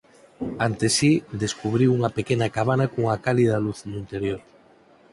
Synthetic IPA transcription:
ant̪esid̪eskuβɾiwuŋapekenakaβ̞anakuŋakalið̞aluθnuint̪eɾjoɾ

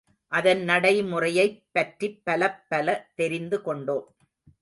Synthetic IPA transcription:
ʔɐðɐnnɐɽɐɪmʊrɐjɐɪpːɐʈripːɐlɐpːɐlɐt̪ɛɾɪnd̪ɯkɔɳɖoːm

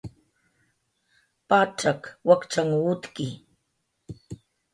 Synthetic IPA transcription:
paːʈ͡ʂakwakʈ͡ʂaŋut̪kɪ

